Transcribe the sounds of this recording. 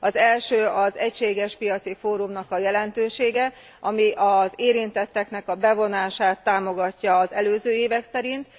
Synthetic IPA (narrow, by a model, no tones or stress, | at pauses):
ɒzɛlʃøːɒzɛcʃeːɡɛʃpijɒt̪sifoːɾumnɒkɒjɛlɛnt̪øːʃeːɡɛ | ʔɒmiʔɒzeːɾint̪ɛt̪ːɛknɛkɒbɛvo̞naːʃaːt̪ːaːmo̞ɡɒcːɒːzɛløːzøːeːvɛksɛɾint̪